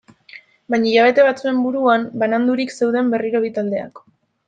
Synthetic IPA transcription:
bajɲajaβ̞e̞t̪e̞βat͡sue̞mbuɾuambanand̪uɾikse̞wðe̞mbe̞riɾo̞βit̪ald̪e̞a̰k

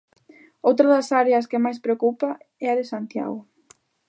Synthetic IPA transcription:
owt̪ɾaðɐsaɾeɐskɪmajspɾeokupaɛɐðɪsant̪ja̰ɣʊ

